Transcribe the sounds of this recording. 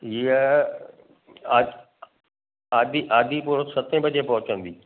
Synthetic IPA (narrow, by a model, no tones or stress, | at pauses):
iə | a | aːd̪iʔaːd̪ʱipuːɾəsɐt̪ʰẽbɐd͡ʑepɐɦʊt͡ɕə̃nd̪iː